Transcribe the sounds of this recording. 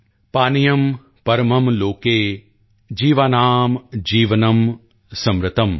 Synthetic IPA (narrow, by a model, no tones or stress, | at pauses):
paːnijɐm | pɐɾmɐmloːkeː | d͡ʒiːʋaːnaːmd͡ʒiːʋɐnɐm | sɐmɾɪt̪ɐm